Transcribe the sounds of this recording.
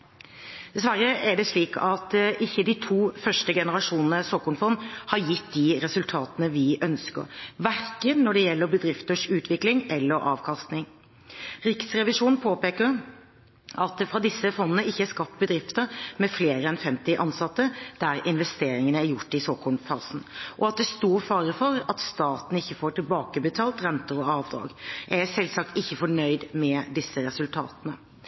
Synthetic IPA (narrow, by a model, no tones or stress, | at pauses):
d̪̥ɛsʋæɾːəʔæɖɛʂɭiːkʰɑt̪ʔɪçːəd̪ɪt̪ʰuːfœʂʈəɡɛnəɾɑʂuːnənəsoːkɔɳfɔnːhɑɾjɪt̪̚d̪ɪɾɛsʉlt̪ʰɑːt̪ənəʋɪʔœnskə̰ɾʋæɾkənnɔɖɛjɛlːəɾbəd̪ɾɪft̪əʂʉːt̪ʋɪklɪŋɛlːəɾʔɑ̰ːʋkʰɑst̪nɪŋ | ɾɪksɾɛʋɪʂuːnpʰoːpeːkəɾ | ʔɑt̪fʁɑd̪ɪsːəfɔnːənəɪçːəæskɑp̚t̪̚bəd̪ɾɪft̪əɾmɛfleːɾəɛnfɛmt̪ɪʔɑnsɑt̪ːəd̪̥æɾɪnʋɛst̪eːɾɪŋənəæɾjʊʈːɪsoːkʰɔlfɑːsn̩ʔɔɑt̪̚d̪ɛst̪uːɾfɑːɾəfɔɾɑt̪st̪ɑːt̪n̩ɪçːəfoːʈɪlbɑːkəbət̪ʰɑːlt̪ɾɛnt̪əɾɔɑːʋd̪ɾɑ̰ːɡʔæsɛlsɑk̚t̪ɪçːəfɔɳœʏd̪mɛd̪ɪsːəɾɛsʉlt̪ʰɑ̰ːt̪ənə